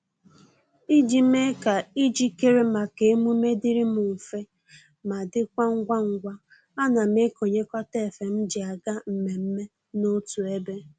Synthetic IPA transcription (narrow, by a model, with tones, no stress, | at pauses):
i˦d͡ʒi˨m˦e˦ka˨i˦d͡ʒi˦ke˦ɾe˦ma˨ke˨˦mu˦me˦dɪ˦ɾɪ˦mʊ˨fe˦ | ma˨dɪ˦kʷa˦ŋ̩˦ɡʷa˦ŋ̩˨ɡʷa˦ | a˦na˨m̩˦e˦ko˨ɲe˦kɔ˦te˦e˨fe˨m̩˦d͡ʒɪ˨a˨ɡa˦m̩˨me˨m̩˦me˦ | no˦tu˨e˦be˦